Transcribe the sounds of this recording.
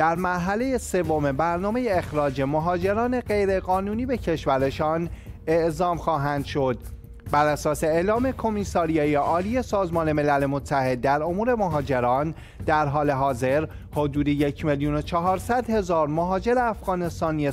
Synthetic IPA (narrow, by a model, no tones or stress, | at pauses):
d̪̥æɾmæɾɦæle̞je̞se̞vo̞mebæɾnɒːme̞jeːxɾɒːd͡ʒe̞moɦɒːd͡ʒe̞ɾɒːne̞ɢe̞jɾe̞ɣɒːnuːniːbe̞cʰe̞ʃvæɾe̞ʃɒːne̞ʔzɒːmxɒːɦænd̪̥ʃo̞d̪ | bæɾæsɒːse̞eːlɒːme̞kʰo̞miːsɒːɾijɑːjeʔɒːliːje̞sɒːzmɒːne̞me̞læle̞mot̪ʰːæhe̞d̪̚ːæɾo̞muːɾe̞moɦɒːd͡ʒe̞ɾɒːn | d̪æɾɦɒːle̞ɦɒːze̞ɾ | hod̪uːd̪ejecʰmeljuno̞t͡ʃʰɒɦɒːɾsæd̪he̞zɒːɾmoɦɒːd͡ʒe̞ɾeæfɣ̥ɒːne̞st̪ɒːnie